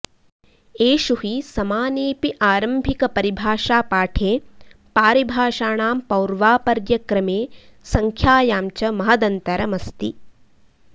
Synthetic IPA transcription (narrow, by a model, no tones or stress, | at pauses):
eːʃuɦisɐmaːniːpiʔaːɾɐmbʱikɐpɐɾibʱaːʃaːpaːʈʰeː | paːɾibʱaːʃaːɳaːmpɐwɾʋaːpɐɾjɐkɾɐmeːsɐŋkʰjaːjaːmt͡ʃɐmɐɦɐd̪ɐnt̪ɐɾɐmɐst̪ḭ